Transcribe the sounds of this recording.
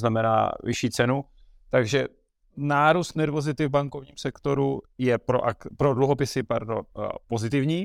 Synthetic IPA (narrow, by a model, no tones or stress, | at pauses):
znamɛna̰ːvɪ̰ʃiːt͡sɛnu | t̪aɡʒɛ | naːɾust̪nɛɾvo̞zɪt̪ɪvbaŋko̞vɲiːmsɛkt̪o̞ɾujɛpɾo̰ʔa̰kpɾo̞dluɦo̞pɪsɪpaɾdo̰mpo̞zɪt̪ɪvɲiː